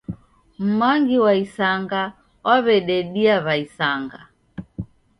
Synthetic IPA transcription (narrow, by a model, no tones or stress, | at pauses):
m̩maŋɡiwaisaŋɡa | waβɛɗɛɗiaβaisaŋɡa̰